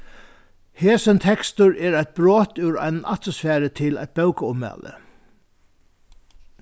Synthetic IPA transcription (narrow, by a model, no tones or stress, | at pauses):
heːsənt̪ʰɛkst̪ʊɾɛːɹajt̪̚bɾoːt̪ʉɾa̰ɪnna̰t̪mɔsfæːɾət̪ʰɪla̰jt̪̚bœwkaʊmːæ̰ːlə̰